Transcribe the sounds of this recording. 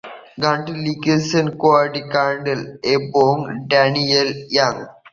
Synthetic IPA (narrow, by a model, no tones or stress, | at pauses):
ɡaɳʈilikesɐnkoaʈikaːɳɖɐlepoːŋɖanijeljaŋɡ